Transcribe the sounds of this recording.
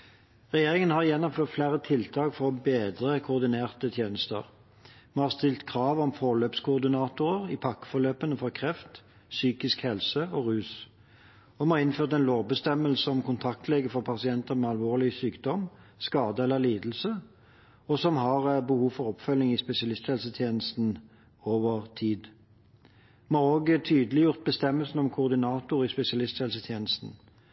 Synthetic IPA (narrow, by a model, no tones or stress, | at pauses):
ʁɛjeːʁɪŋənhɑʁjɛnːɔmføːʁt̪flæɾət̪ʰɪlt̪ʰɑːkfɔʁɔbeːd̪ʁəkʰʊʊʁd̪ɪneːʁt̪ət̪ʰjeːnəst̪ə̰ʁ | mɛhɑʁst̪ɪlt̪kʰʁɑːʋɔmfɔːʁløːpskʰʊːʁd̪ɪnɑːt̪ʊɾəʁɪpʰɑkːə̥fɔʁløːpənəfɔʁkʰʁɛft̪ | syːkɪskhɛlsəɔʁʉːs | ɔmɛhɑːʁɪnføːʁt̪ɛnloːʋbəst̪ɛməlsəɔmkʊnt̪ʰɑk̚t̪ʰlɛːɡəfɔʁpʰɑsɪɛnt̪əɾmɛːɑlʋoːʁlɪsyːkd̪ɔm | skɑːd̪əɛlːəʁliːd̪l̩sə | ɔsɔmɦɑʁəbəhuːʋfɔʁɔpfœlnɪŋɪspɛsɪɑlɪst̪hɛlsət̪ʰjeːnəst̪n̩ | oːʋəʁt̪ʰiːd̪ | mhɑːʁoːɡt̪ʰyːd̪əlɪjʊʁt̪̚bəst̪ɛmːəlsənɔmkʰʊʁd̪ɪnɑːt̪ʊʁɪspɛsɪɑlɪst̪hɛlsət̪ʰjeːnəst̪n̩